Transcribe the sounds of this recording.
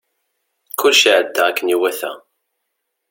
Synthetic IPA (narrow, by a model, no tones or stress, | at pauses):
kʊlːʃiʕəd̪ːæækːəniwæθæ̰